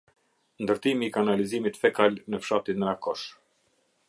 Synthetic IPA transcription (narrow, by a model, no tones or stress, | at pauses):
nd̪əɾt̪imiːkanalizimit̪fɛkalnəfʃat̪inənakɔʃ